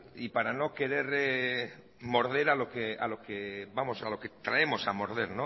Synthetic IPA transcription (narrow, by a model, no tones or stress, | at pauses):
ipaɾano̞ke̞ɾeɾe | mo̞ɾðe̞ɾalo̞kea̰lo̞keβamo̞salo̞ket̪ɾae̞mo̞samo̞ɾðeɾno